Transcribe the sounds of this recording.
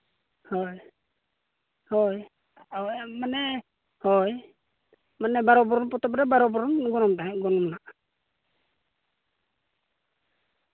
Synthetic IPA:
hɔj | hɔj | ɔjmanɛ | hɔj | manɛbaɾɔbɔɾɔnpɔt̪ɔpɾɛbaɾɔbɔɾɔnɡɔnɔmtaɦɛʔɡɔnɔmnaʔ

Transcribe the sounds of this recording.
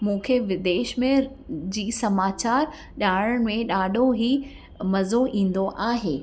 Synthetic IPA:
mũːkʰeʋɪd̪eːʃmẽ | d͡ʑiːsɐmaːt͡ɕaːɾ | ʄaːɽəɽ̃mẽɗaːɖʱoɦi | mɐzoʔĩːn̆d̪oʔaːɦeː

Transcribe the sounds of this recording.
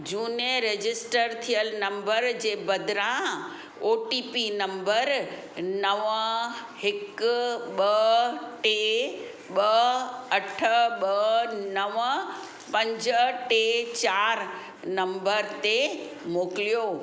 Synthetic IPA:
d͡ʑuːnəɾed͡ʑɪsʈəɾt̪ʰijəlnɐ̃mbəɾd͡ʑeːbɐd̪ɾã | oːʈipinɐ̃mbəɾ | nɐʋ | hɪkɓɐʈe | ɓɐɐʈʰəɓɐnɐʋ | pɐ̃ɲd͡ʑəʈet͡ɕaːɾ | nɐ̃mbəɾt̪e | moːkɪlijoː

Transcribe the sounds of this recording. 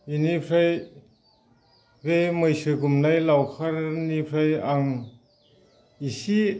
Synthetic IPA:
inipʰɾaj | ɡemɯjsɯɡumnajlawkʰaɾnipʰɾajaŋ | isi

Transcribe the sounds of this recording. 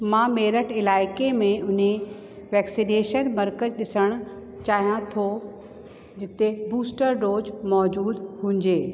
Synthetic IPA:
mãːmeːɾəʈɪlaːɪkemẽʊn̤e | ʋɛːksineːʃənmɐɾkəd͡ʑɗɪsəɽ̃ʊ̆ | t͡ɕaːɦijãt̪ʰo | d͡ʑɪt̪ebuːsʈəɾɖoːd͡ʑmɔːd͡ʑuːd̪hũːɲd͡ʑeː

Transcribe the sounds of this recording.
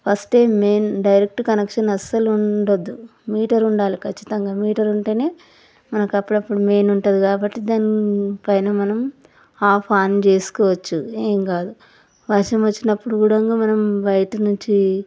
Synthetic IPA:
pʰɐsʈe̞ːme̞ːnɖɐjɾek̚ʈkɐnekʂɐnɐsːɐluɳɖɐd̪ːumiːʈɐɾuɳɖaːlikʰɐt͡ʃːi̥t̪ɐŋɡaːmiːʈɐɾuɳʈeːne̞ː | mɐnɐkɐpːuɽɐpːuɽume̞ːnuɳʈɐd̪ikaːbɐʈːid̪aːnipɐjnɐmɐnɐm | aːpʰaːnt͡ʃe̞ːsu̥kɔːʋɐt͡ʃːueːŋkaːd̪u | ʋɐʂɐmʋɐt͡ʃːinɐpːuɽuɡuːɽɐŋɡaːmɐnɐmbɐjʈɐnuɲt͡ʃi

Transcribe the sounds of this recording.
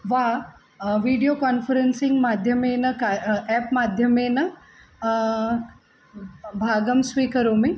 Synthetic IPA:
ʋa | ʋiːɖijokaːnfəɾensĩŋɡmaːd̪ʱjɐmeːnɐkaɛːpmaːd̪ʱjɐmeːnɐ | bʱaːɡəmsʋiːkɐɾoːme

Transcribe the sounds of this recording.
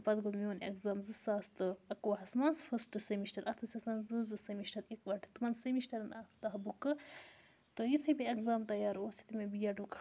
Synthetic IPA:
pɐd̪ɡomioːnḛkzaːmzɨsaːst̪ɨɐkoːɦɐsmansfʰɐsʈɨsemiʃʈɐɾʔɐt̪ʰɨsʲɐsanzɨzɨsemiʃʈɐɾikʋɐʈʰt̪ɨmɐnsemiʃʈɐɾɐnaft̪ɐɦbukɨ | t̪ɨjit̪ʰɨbʲiekzaːmt̪ɐjaːɾoːsi̥t̪ʰimebijɐɖukʰ

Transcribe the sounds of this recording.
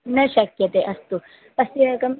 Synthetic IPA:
nɐɕɐkjɐt̪eʔɐst̪u | pɐsiɐkɐm

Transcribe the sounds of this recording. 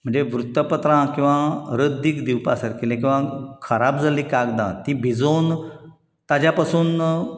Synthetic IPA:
m̤əɳd͡zeʋɾut̪ːəpət̪ɾãkĩw̃ʋãɾəd̪ikd̪iwpasəɾkilẽkĩw̃ʋãkʰəɾab̚d͡zaliːkaɡd̪ã̰t̪ibʱid͡zon | t̪ad͡ʑjapasuːn

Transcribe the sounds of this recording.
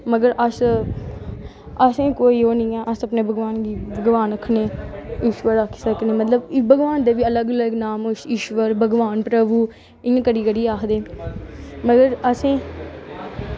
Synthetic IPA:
məɡəɾʔəs | əsẽːkoːiːoːnĩːɛːʔəsəpneːbʱəɡʋaːnɡiːbʱəɡʋaːnəkʰneːiːʃʋəɾəkʰːsəkneːmət̪ləbbʱəɡʋaːnd̪eːʋiːələɡələɡnaːmʊʃiːʃʋəɾbʱəɡʋaːnpɾəbuː | ɪjãːkəɽiːkəɽiːaːkʰd̪eː | məɡəɾəsẽː

